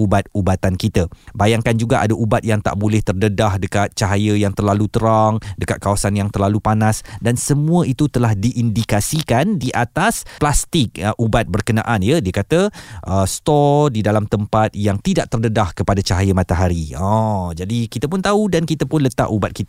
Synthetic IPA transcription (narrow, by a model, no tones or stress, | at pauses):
ubat̪̚ubat̪ankit̪əbajaŋkand͡ʒuɡaʔadaʔubat̪̚jaŋt̪a̰ʔbolɛht̪ərdədahdəkat̪̚t͡ʃaɦajəjaŋt̪ərlalut̪əɾaŋdəkat̪̚kawasanjaŋt̪ərlalupanasdansəmũə̃it̪ut̪əlahdiʔːndikasikandiʔat̪asplast̪ɪk̚əʔubat̪̚bərkəna̰ʔanjədiəkat̪əʔəst̪ɔdidalamt̪əmpat̪̚jaŋt̪idaʔ̚t̪ərdədahkəpadat͡ʃaɦajəmat̪aɦaɾiãd͡ʒadikit̪əpʊnt̪audankit̪əpʊnlət̪a̰ʔubat̪̚kit̪